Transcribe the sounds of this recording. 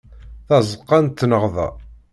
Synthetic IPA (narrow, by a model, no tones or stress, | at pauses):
θɑzəqːɑnt̪ːnəʁðæ̰